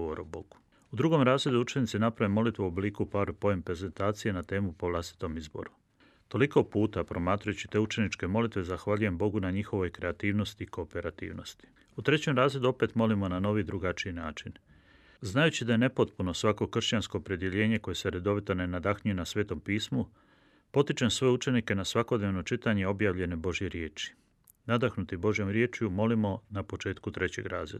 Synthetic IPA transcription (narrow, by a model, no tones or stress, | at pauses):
oɾoboɡu̥ | ud̪ɾuɡo̞mɾaːzɾe̞d̪uut͡ʃe̞nit̪sinapɾaʋemːo̞lit̪ʋeuobliːkupaɾpo̞jempɾe̞ze̞nt̪aːt̪sije̞nat̪e̞ːmupo̞ʋlˠast̪i̥t̪o̞mizbo̞̰ɾu | t̪o̞liko̞puːt̪apɾo̞maːt̪ɾujut͡ɕi̥t̪e̞ut͡ʃe̞nit͡ʃke̞mo̞lit̪ʋe̞zaxʋaʎuje̞mbo̞ɡunaɲixo̞ʋo̞jkɾe̞at̪iːʋnost̪iːko̞ːpe̞ɾat̪ḭːʋno̞st̪i̥ | ut̪ɾe̞t͡ɕe̞mɾaːzɾe̞d̪uo̞pe̞t̪mo̞limo̞nano̞ʋid̪ɾuɡat͡ʃiinaːt͡ʃin | znajut͡ɕid̪ajene̞po̞t̪puno̞sʋako̞kr̩ʃt͡ɕansko̞ːpɾe̞d̪je̞ʎe̞ːɲe̞ko̞je̞se̞ɾe̞d̪o̞ʋit̪one̞nad̪axɲujenasʋe̞ːt̪o̞mpiːsmu | po̞t̪it͡ʃe̞msʋo̞jeut͡ʃe̞nike̞nasʋako̞d̪neʋno̞t͡ʃit̪aɲe̞o̞bjaːʋʎe̞ne̞bo̞ʒjeɾje̞ːt͡ʃi̥ | nad̪axnut̪ibo̞ʒjo̞mɾje̞ːt͡ʃjumo̞limo̞napo̞t͡ʃe̞ːt̪kut̪ɾe̞t͡ɕe̞̰ɡɾa̰ːzɾed̪a